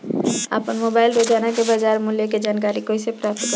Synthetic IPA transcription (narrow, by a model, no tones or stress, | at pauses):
a̰pənmobaːɪlɾoːd͡ʒaːnakebad͡ʒaːɾmʊljoked͡ʒaːnkaːɾikoisepɾaːp̚t̪k